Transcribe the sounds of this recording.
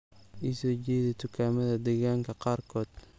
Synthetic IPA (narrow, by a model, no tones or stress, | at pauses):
ʔisɔːt͡ʃɛːðɛt̪ʰʊkʰaːmɐðɐd̪ɛɣaːŋkʰɐqɑːrkʰɔːd̪̥̚